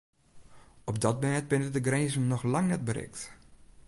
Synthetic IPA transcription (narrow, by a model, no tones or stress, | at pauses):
ɔp̚dɔt̚mɛt̚bɪnədəɡrezəmnɔxlaŋnɛt̚bəɾɪ̰kt